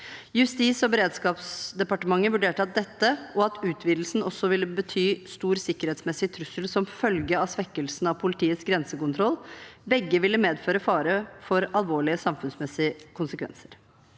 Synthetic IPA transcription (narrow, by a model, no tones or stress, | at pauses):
jʉst̪iːsɔbɛɾeːd̪skɑːpsd̪ɛpɑʈəmɑŋːəʋʉɖeːʈəɑt̪̚d̪ɛt̪ːəɔɑt̪ʉːt̪ʰʋiːd̪l̩snɔsːɔʋɪlːəbət̪ʰyːst̪uːɾsɪkːəɾheːt̪smɛsɪt̪ʰɾʉsəlsɔmfœlɡəɑsʋɛkːəlsn̩ɑʋpʰʊlɪt̪ʰiːət̪sɡɾɛnsəkʊnt̪ʰɾɔlbɛɡːəʋɪlːəmeːd̪føːɾəfɑːɾəfɔɾɑlʋoːɭɪəsɑmfʉnsmɛsɪəkʰʊnsəkʰʋɛ̰nsə̥ɾ